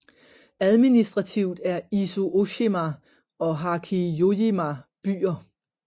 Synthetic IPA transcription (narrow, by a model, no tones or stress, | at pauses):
æð̞ˠminisd̥ʁɑt͡sʰiʊ̰d̥æɐisoʔo̝ɕimæ | ɒ̽ɦɑ̈kʰijojimæb̥y̰ːɐ